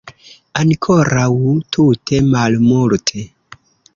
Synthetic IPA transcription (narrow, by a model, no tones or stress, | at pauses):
ankʰoɾawtʰutʰemalmultʰe